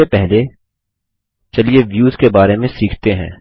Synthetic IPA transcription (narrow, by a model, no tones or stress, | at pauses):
epɛɦle | t͡ʃɐlieʋjuːzkebaːɾemẽsiːkʰt̪eɦɛ̰̃ː